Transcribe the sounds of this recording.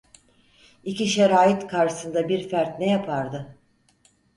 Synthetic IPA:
iciʃeɾaːit̪kʰaɾʃɯ̥sɯnd̪abiɾfæɾt̪nɛjapʰaɾd̪ɯ

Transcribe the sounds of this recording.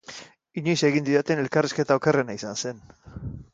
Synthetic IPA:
iɲojse̞ɣind̪iɾat̪e̞ne̞lkariske̞t̪aokere̞naisanse̞n

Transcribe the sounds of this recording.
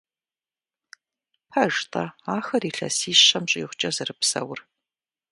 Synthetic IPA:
pʰɐʒtʰʼɐaːxɐriːɬɐ̰siːɕɐmɕʼɪjːχʷʊt͡ʃʼɐzɨrɨpsɐ̰wʊr

